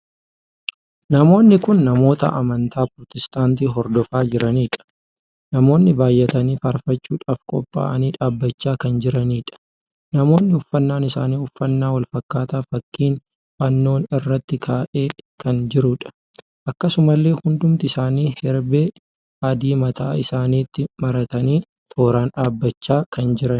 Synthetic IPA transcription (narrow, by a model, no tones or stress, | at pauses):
nɐmo̞ːnːɪkʊnːɐmo̞ːt̪ɐ̰ʔɐmɐnt̪ʰaːpɾɔt̪ɛst̪ʼaːnt̪iːɦɔɾd̪ɔfaːd͡ʒɪɾɐniːᶑɐ̥ | nɐmo̞ːnːɪbaːjːɛt̪ɐniːfɐɾfɐt͡ʃːuːᶑaːfkʼɔ̰pʼːa̰ːʔɐniːᶑaːbːɐt͡ʃːaːkɐnd͡ʒɪɾɐniːᶑɐ̥ | nɐmo̞ːnːɪʊfːɐnːaːnɪsa̰ːniːʊfːɐnːaːwɐlfɐkːaːt̪aːfɐkːiːn | bɐnːo̞ːnɪrːɐt̪ːɪkʰaːʔeːkɐnd͡ʒɪɾʊᶑɐ̥ | ʔɐkːɐsʊmɐlːe̞ːhʊnd̪ʊmt̪ɪsaːniːhɛɾbeː | ɐd̪iːmɐt̪a̰ːɪsaːniːt̪ːɪmɐɾɐt̪ɐniː | t̪ʰʼo̞ːɾaːnᶑaːbːɐt͡ʃːaːkɐnd͡ʒɪɾɐ